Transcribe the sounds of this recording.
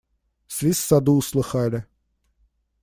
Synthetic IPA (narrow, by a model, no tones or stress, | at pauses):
svʲisʲsad̪uːslˠɨxalʲɪ